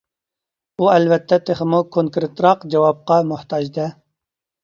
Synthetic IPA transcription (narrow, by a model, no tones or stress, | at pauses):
uælvɛt̪ʰːɛt̪ʰeχɪmukʰoŋkɾɪt̪ɾɑqd͡ʒɛwɑb̚qɑmʊht̪ʰɑd͡ʒd̪ɛ